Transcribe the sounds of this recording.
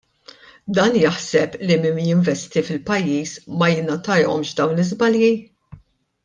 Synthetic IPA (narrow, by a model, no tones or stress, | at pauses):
d̪ɐːnjɐħsɛplimɪjɪɱvɛst̪ifɪlpɐjːiːsmɐjɪnɐt̪ɐjɔ̰mʃd̪ɐwnɪzbɐlji